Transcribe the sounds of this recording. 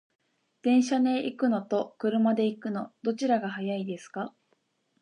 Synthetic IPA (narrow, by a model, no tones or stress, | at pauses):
d̪̥ẽ̞ɰ̃ɕanẽʔikɯ̟no̞t̪o̞kɯ̟ɾɯ̟mad̪e̞ikɯ̟no̞d̪o̞t͡ɕiɾaɡaɦajaid̪e̞sɨ̥ka